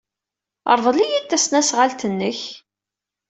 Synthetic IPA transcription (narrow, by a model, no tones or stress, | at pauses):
ə̰ɾˤvˤlijit̪ːæsnæsʁalt̪ənːəç